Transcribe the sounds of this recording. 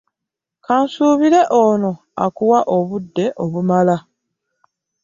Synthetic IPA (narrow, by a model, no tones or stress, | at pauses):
kaːnsuːβiɾe̞ʔoːno̞ | a̰kuwaʔo̞βudːe̞ʔo̞βumala